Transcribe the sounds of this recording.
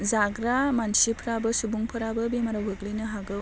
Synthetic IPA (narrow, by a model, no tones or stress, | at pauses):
zaɡɾamansipʰɾabɐsubuŋpʰɯɾabɐbimaɾawɦɯɡlijnɯɦaɡɯw